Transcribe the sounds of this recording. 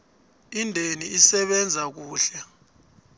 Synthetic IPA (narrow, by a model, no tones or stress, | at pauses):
indʱeniisɛɓɛnd͡zʱak̬uːɬɛ